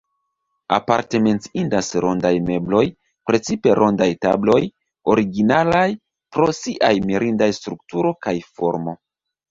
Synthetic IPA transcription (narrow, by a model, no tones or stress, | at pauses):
a̰paɾte̞me̞nt͡siindasɾo̞ndajme̞blo̞j | pɾe̞t͡sipe̞ɾʔo̞ndajta̰blo̞j | o̞ɾiɡinalaj | pɾo̞siʔajmiɾʔindajstɾuk̚tuɾo̞kajfo̞ɾmo̞